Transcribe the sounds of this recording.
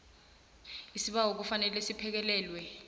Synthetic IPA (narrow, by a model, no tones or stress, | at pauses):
isiɓaɦok̬ufanɛlɛsipʰɛk̬ɛlɛːlwɛ